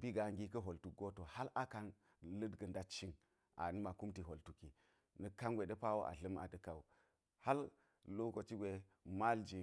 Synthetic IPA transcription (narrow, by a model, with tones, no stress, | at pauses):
bi˦ɡa˨ŋɡi˦kɐ˦ɦo˨ltu˨ɡo˦to˨ha˦la˦ka˦n | lə˦dɡə˨nda˦t͡ʃi˦n | ʔa̰˨nɨ˦ma˨ku˦mti˨ɦo˨ltu˨ki˨ | nə˨ka˦ŋɡʷe˨də˦pa˦wo˦ʔa̰˨ɬə˦ma̰˨də˨ka˨u˨ | ha˦l | lo˦ko˨t͡ʃi˦ɡʷe˨ | ma˦ld͡ʒi˨